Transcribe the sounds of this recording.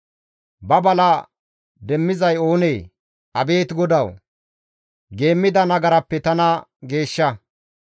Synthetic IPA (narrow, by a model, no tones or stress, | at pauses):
bɐbɐlɐ | d̪ɛmːɪzɐjo̞ːnejː | ʔɐbe̞ːt̪ɡɔd̪ɐw | ɡe̞ːmːɪd̪ɐnɐɡɐɾɐpːɛt̪ɐnɐɡe̞ːʃːɐ